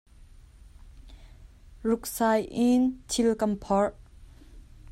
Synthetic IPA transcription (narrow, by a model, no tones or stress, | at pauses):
rʊk̚saːjʔɪntʰɪlkɐmpʰɔrʔ